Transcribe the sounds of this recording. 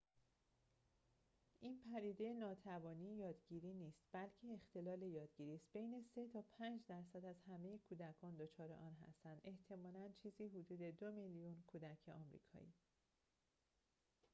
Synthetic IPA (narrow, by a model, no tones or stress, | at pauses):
ʔiːnpʰæd̪iːd̪e̞jenɒːt̪ʰævɒːniːjɒːd̪ɟiːɾiːniːst̪̚b̥ælcʰe̞ːxt̪e̞lɒːle̞jɒːd̪̥ɟiːɾiːst̪̚be̞jne̞se̞t̪ʰɒːpʰænd͡ʒd̪æɾsæd̪æzhæme̞jekʰuːd̪ækʰɒːnd̪o̞t͡ʃʰɒːɾe̞̰ʔɒːnɦæ̰st̪ænd̪ʔe̞ht̪ʰe̞mɒːlænt͡ʃʰiːziːɦud̪uːd̪e̞d̪omeljunkʰuːd̪æcʰe̞ʔɒ̰ːmɾḭːkʰɒ̰ːḭː